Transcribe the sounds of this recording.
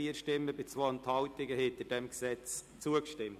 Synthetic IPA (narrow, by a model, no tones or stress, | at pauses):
iəɾʃtɪmːəbɪt͡sʋont̪hɑʊtɪɡəhɪnt̪əɾd̥ɛmksɛt͡s | t͡suəkʃtɪmt